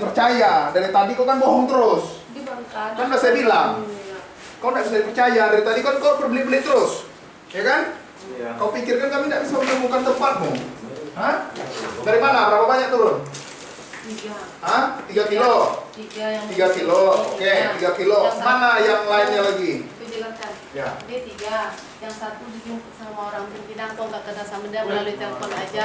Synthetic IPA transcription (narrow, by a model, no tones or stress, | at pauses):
pərt͡ʃajadanat̪adikakanboɦɔŋt̪əɾʊs | kanbasajabilaŋ | kalodaʔbisaipərt͡ʃajadaɾit̪adikankawpərbəlɪhbəlɪht̪əɾʊs | jakan | kaopikɪrkankamindaʔbisamədəmukant̪əmpat̪̚mʊɦəhdaɾimanaɾapabaɲak̚t̪uɾʊn | t̪iɡa | ɦəht̪iɡakilot̪iɡajat̪iɡakilooket̪iɡakilomanajaŋlaɪt̪ɲalaɡikud͡ʒəlaskan | jaket̪iɡa | jaŋsat̪ud͡ʒiɡisamaoɾaŋbənkidaŋk̪aŋɡaʔkədasamədaməlaluit̪alpɔnad͡ʒa